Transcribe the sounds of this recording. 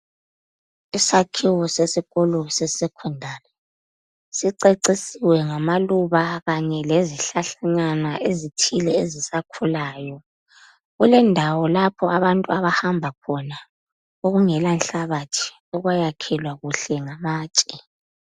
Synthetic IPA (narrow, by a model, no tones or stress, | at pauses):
isakʰiwɔsesiɣɔlɔsɛsɛkʰundʱaːlɛ | siǀeǀisiwɛŋamaluβaɣaɲɛleziɬaɬaɲanaʔezitʰilɛezisakʰulaːjɔ | ɣulɛndʱawɔlapʰɔaβantʼuaβahambʱakʰɔna | oɣuŋɛlanɬaβatʰi̥ | ɔɣwajakʰɛlwaɣuɬɛŋamaːt͡ʃʼi